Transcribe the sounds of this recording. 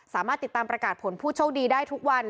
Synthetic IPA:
saː˨˩˦maː˥˩t̪ːi˨˩t̪ːaː˧mpɾa˧kaː˨˩t̪̚pʰo˨˩˦npʰuː˥˩t͡ɕʰo˥˩wdiː˧daː˥˩jt̪ʰu˦˥k̚wa˧n

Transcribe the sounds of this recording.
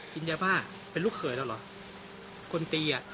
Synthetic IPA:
ki˧njaː˧baː˥˩˨ | pe˧nluː˥˩kʰːɤː˨˦jlaː˧˩lɔ˨˦ | kʰo˧nt̪iː˧a˨˩ʔ

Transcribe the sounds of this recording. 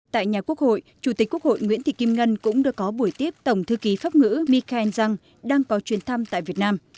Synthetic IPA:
t̪a̰ː˧˨jɲaː˨˩ku˦˥ək̚ho̰˧˨jt͡ɕu˧˩t̪i˨˩k̟̚ku˦˥k̚ho̰˧˨jŋwḭ˧˥ənt̪ʰḭ˧˨˩ki˧mŋə˧nkʊ̰˧˥ŋ͡mɗɨ˧əkɔ˨˦ɓu˧˩əjt̪i˦˥əp̚t̪ə˧˩wŋ͡mt̪ʰɨ˧ki˨˦faː˦˥p̚ŋɨ̰˧˥mi˧kaː˧ʔɛ˧nza˧ŋ | ɗaː˧ŋkɔ˨˦t͡ɕwi˨˦ənt̪ʰa˧mt̪a̰ː˧˨jvi˨˩ət̚naː˧m

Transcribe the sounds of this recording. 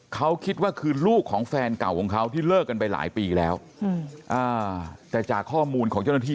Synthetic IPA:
kʰa˦˥wkʰi˦˥t̪̚waː˥˩kʰɯː˧luː˥˩kʰːɔː˩˦ŋfɛː˧nka˨˩wkʰɔː˩˦ŋkʰa˦˥wt̪ʰiː˥˩lɤː˥˩kːa˧npa˧jla̰ː˩˦jpiː˧lɛː˦˥w | ʔaː˧˩t̪ɛː˨˩t͡ɕaː˨˩kʰːɔː˥˩muː˧nkʰɔː˨˩˦ŋt͡ɕa˥˩na˥iː˥˩

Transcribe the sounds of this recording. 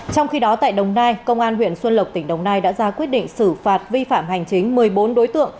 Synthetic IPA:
t͡ɕɔ˧wŋ͡mxi˧ɗɔ˨˦t̪a̰ː˧˨jɗə˨˩wŋ͡mnaː˧jkə˧wŋ͡mʔaː˧nɦwḭ˧˨ənswə˧nlə˨˩k͡p̚t̪ï˧˩ŋ̟ɗə˨˩wŋ͡mnaː˧jɗa̰ː˧˥zaː˧kwi˦˥ət̚ɗḭ˧˨ŋ̟sɨ˧˩faː˨˩t̚vi˧faː˧˩mha˨˩jŋ̟t͡ɕï˨˦ŋ̟mɨ˨˩əjɓo˨˦nɗo˨˦jt̪ɨ̰˧˨əŋ

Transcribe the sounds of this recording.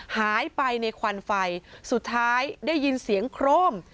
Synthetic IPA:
haː˩˦jpa˧jna˧jkʰwa˧nfa˧jsu˨˩t̪ʰːaː˦˥jdaː˥˩jːi˧nsi˩˦əŋkʰɾoː˥˩m

